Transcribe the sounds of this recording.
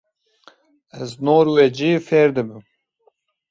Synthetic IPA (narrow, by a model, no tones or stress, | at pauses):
ɛznoːɾwɛd͡ʒiːfeːɾd̪ɨbɨm